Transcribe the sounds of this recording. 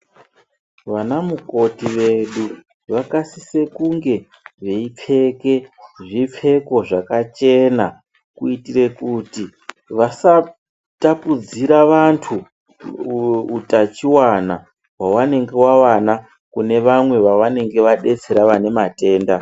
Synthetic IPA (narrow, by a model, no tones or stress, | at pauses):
ʋanamuko̞tiʋe̞ɗu | ʋakasise̞kuŋɡe̞ | ʋe̞ip͡fʰe̞ke̞ʐip͡fʰe̞ko̞ʐakat͡ʃe̞na | kuitire̞kuti | ʋasa | tapud͡ziɾaʋantʰu | utat͡ʃiwana | wawane̞ŋɡe̞wawana | kune̞ʋamwe̞ʋaʋane̞ŋɡe̞ʋaɗe̞t͡se̞ɾaʋane̞mate̞ːnda